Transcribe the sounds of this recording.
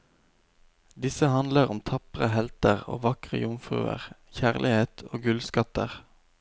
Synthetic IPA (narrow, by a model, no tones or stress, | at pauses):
d̪ɪsəhɑnd̪ləʁʊmt̪ʰɑpəʁəhɛlt̪əʁo̰ːʋɑkʁə̰jʊmfʁʉ̰ːə̰ʁçæʁlʔɪheːt̪ʰoːɡʉlskɑt̪əʁ